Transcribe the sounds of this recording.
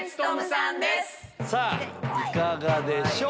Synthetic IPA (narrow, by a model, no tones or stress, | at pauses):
oad̪essaikaɡad̪eɕo